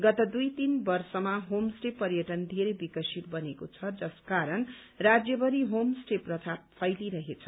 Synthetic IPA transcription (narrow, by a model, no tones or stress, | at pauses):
ɡʌt̪ʌd̪ujt̪inbʌrsʌmaɦomsʈepʌɾjʌʈʌnd̪ʱeɾejbikʌsit̪̚bʌnekot͡sʰʌd͡zʌskaɾʌn | rad͡zjʌbʌɾiɦomsʈeprʌt̪ʰappʰʌjliɾʌɦet͡sʰʌ